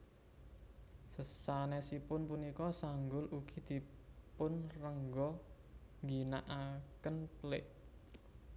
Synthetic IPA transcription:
səsanɛsipʊnpunikɔsaŋɡʊluɡ̥i̤d̪̥i̤pʊnrəŋɡɔ | ŋɡinaʔakənplɪʔ

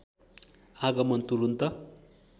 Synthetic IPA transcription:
aɡʌmʌnt̪uɾunt̪ʌ

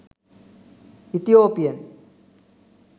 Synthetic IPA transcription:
it̪ijoːpijɐn

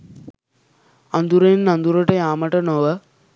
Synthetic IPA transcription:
ɐnd̪uɾɐjinːɐnd̪uɾɐʈɐjaːmɐʈɐnoʋɐ

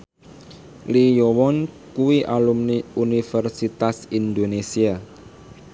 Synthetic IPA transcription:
lijɔwɔn | kuwiʔalumunifɛrsit̪asind̪onesia

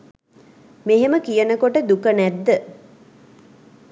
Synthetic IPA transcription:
meɦeməkijənəkoʈəd̪ukənæd̪ːə

